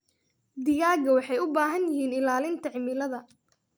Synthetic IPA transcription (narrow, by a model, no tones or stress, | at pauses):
d̪ɪjaːɡɐwɑħɑjʊbaːɦɐnjɪhiːnɪlaːlɪnt̪ʰɐʕɪmɪlɐðɐ